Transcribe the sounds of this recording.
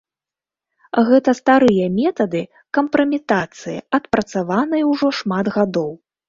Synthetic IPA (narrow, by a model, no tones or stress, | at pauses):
ɣɛt̪ɐst̪aɾɨjɐmʲɛt̪ɐd̪ɨ | kɐmpɾɐmʲit̪at̪sɨjḭɐt̪pɾɐt̪savanɐjɐwʐɔʂmad̪ɣad̪ɔw